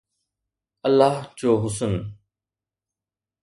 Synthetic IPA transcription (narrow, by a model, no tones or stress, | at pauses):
əlːaːɦd͡ʑoːɦʊsən